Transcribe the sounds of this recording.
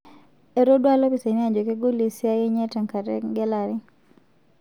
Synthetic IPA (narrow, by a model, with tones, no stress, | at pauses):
e˨ɾo˦dwa˦lo˦pi˨se˨ni˦a˨d͡ʒo˨ke˦ɡo˦li˨sja˦je˦ɲɛ˦tɛ˨ŋka˨tɛ̰˦ɡɛ˦la˨ɾi˦